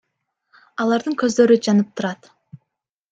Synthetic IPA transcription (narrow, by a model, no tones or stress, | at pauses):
ɑlˠɑɾd̪ɯŋkø̞zd̪ø̞ɾyd͡ʒɑnɯp̚t̪uɾɑt̪